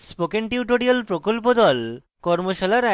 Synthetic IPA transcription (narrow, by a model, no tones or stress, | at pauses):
spokeɳʈiuʈoɾialpɾokolpod̪ɔl | kɔɾmoʃalaɾɛ